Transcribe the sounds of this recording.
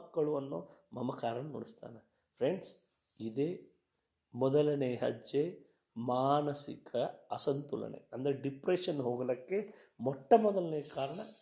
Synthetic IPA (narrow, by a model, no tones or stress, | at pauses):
kːɐɭuʋɐnːumɐmɐkaːɾɐnɐnoːɽist̪a̰ːnɐ | pʰɾeɳɖs | id̪eː | mɔd̪ɐlɐneɦɐ̰d͡ʒe | maːnɐsḭkʰɐɐsɐnt̪ulɐ̰ɳḛɐnd̪ɐɾeɖipɾeʂɐnːɦoːɡɐlɐkːemɔʈːɐmɔd̪ɐlɐneːɐkaːɾɐɳɐ